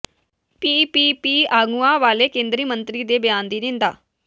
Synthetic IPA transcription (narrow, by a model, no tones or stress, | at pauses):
piːpiːpiːaːɡuːãːʋaːleːkẽːnd̪ɾiːmənt̪ɾiːd̪eːbɪjãːnd̪iːnɪ̃nd̪a̰ː